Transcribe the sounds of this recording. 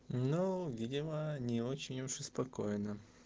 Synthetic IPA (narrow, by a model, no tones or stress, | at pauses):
novʲidʲɪmənʲɪot͡ɕɪnʲuʐɨspɐkojnə